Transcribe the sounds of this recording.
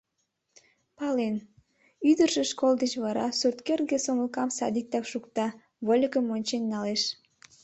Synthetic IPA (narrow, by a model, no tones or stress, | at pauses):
pɑlen | yd̪ərʒeʃkolˠd̪et͡ɕβɑɾɑsurt̪kerɡesoməlkɑmsɑ̰d̪ik̚t̪ɑkʃukt̪ɑ | volʲikəmonʲt͡ɕenːɑleʃ